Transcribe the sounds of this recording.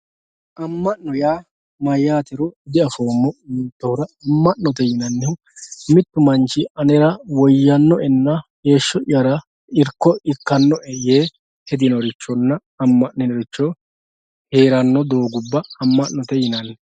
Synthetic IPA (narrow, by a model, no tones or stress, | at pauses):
ʔɐmːɐʔnɔjaː | mɐjaːt̪ɛɾɔɪd̪ɪɐfoːmːɔʔiːt̪ːoɾɐɐmːɐʔnɔt̪ɛjɪnɐnːɛhʊ | mɪt̪ːʊmɐnt͡ʃɪɐnɛɾɐwɔjːɐnːɔʔɛnːɐhe̞ːʃːɔʔɪjɐɾɐ | ɪɾkːɔɪkːɐnːɔʔɛjeː | hɛd̪ɪnɔɾɪt͡ʃːɔnːɐ | ɐmːɐnnːɛnɔɾɪt͡ʃːɔ | he̞ːɾɐnːɔd̪o̞ːɡʊbːɐɐmːɐʔːɔt̪ɛjɪnɐnːɛ